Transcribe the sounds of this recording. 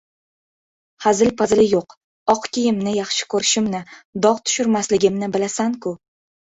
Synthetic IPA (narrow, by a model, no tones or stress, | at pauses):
hazɪlpʰazlɪjoq | ɒqkʲʰijɪmnɪjɑχʃɪ̥kʰɵɾɪʃɪmnɪd̪ɒʁt̪ʰʊ̥ʃʊɾmaslɪɡʲɪmnɪbɪlasaŋkʰʊ